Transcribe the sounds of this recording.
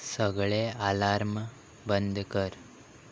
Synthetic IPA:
səɡɭealaɾm | bənd̪ʱkəɾ

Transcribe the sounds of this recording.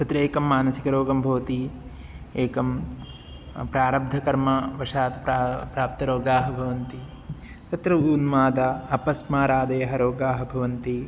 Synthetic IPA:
t̪ɐt̪ɾɐeːkɐmːaːnɐsikɐɾoːɡɐmbʱɐʋɐt̪i | eːkɐm | pɾaːɾɐb̚d̪ʱɐkɐɾmɐʋɐʂaːt̪ɐpɾapɾaːp̚t̪ɐɾoːɡaːɦɐbʱɐʋɐnt̪i | t̪ɐt̪ɾɐuːnmaːd̪aɐpɐsmaːɾaːd̪ɐjɐɦɐɾoːɡaːɦɐbʱɐʋɐnt̪i

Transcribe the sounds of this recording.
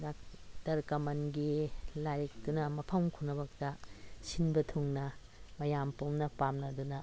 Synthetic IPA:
dak̚dɐɾkɐmɐnɡilaɾik̚dunɐmɐpʰɐmkʰunɐbɐk̚tɐsinbɐtʰuŋnɐ | mɐjampomnɐpamnɐdunɐ

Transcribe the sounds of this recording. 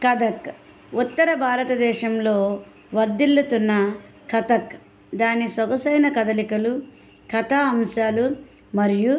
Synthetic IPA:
kɐd̪ɐk | ut̪ːɐɾɐbʱaːɾɐt̪ɐd̪ɛːʃɐmlo̞ː | ʋɐɾd̪ilːut̪unːɐ | kʰɐt̪ɐk | d̪aːnisɐɡɐsɐjnɐkɐd̪ɐlikɐlu | kɐt̪aːɐmʃaːlu | mɐɾiju

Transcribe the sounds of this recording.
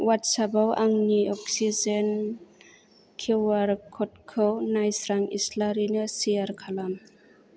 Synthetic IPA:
watsabawʔaŋniɔksizen | kʰiwaɾkʰɔt̚kʰɯwnajsɾaŋḭslaɾinɯsijaɾkʰalam

